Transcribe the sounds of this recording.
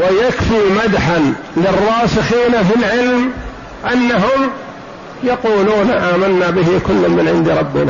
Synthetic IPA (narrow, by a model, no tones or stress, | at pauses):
wajakfimad̪ħan | lɪrˤːɑːsɪxiːnafilʕɪlm | ʔanːaɦʊm | jɑquːluːnʔaːmanːabɪɦɪkʊlːʊmmɪnʕɪ̰nd̪iɾˤɑbːɪ̰naː